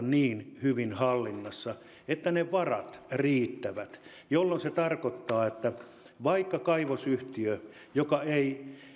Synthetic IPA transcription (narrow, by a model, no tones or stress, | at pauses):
nniːnhyʋinhɑlːinːɑsːɑ | et̪ːæneʋɑrɑ̰t̪riːt̪ːæʋæt̪ | jolːonset̪ɑrkot̪ːɑːet̪ːæ | ʋɑikːɑkɑiʋosyht̪iø | jokɑei